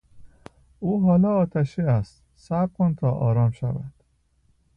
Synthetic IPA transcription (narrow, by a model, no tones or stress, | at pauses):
uːɦɒːlɒːɒːt̪ʰæʃiːæst̪ | sæb̚kʰont̪ʰɒːʔɒ̰ːɾɒːmʃævæ̰d̪̥